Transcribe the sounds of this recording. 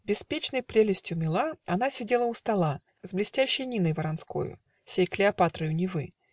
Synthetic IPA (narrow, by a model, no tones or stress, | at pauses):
bʲɪspʲet͡ɕn̪əjpɾʲelʲɪsʲtʲjʊmʲɪlˠaan̪asʲɛd͡zʲelˠəust̪alˠa | zblʲɪsʲtʲæɕːəjnʲinəjvəɾansko̰jʊ̰ | sʲejklʲɪapat̪ɾɨjʊnʲɪvɨ